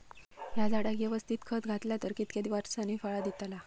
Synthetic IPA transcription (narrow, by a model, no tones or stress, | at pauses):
jad͡zaɽaɡeʋəst̪ʰiːt̪kʰət̪ɡʱat̪ljat̪əɾkit̪ked̪iʋaɾsaniːfaɭad̪it̪ala